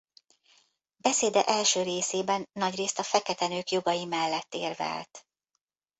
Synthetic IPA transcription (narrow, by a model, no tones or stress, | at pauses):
bɛseːd̪ɛʔɛlʃøːɾeːseːbɛnːɒɟreːst̪ɒfɛkɛt̪ɛnøːkjo̞ɡɒjimɛlːɛt̪ːeːrvɛ̰lt̪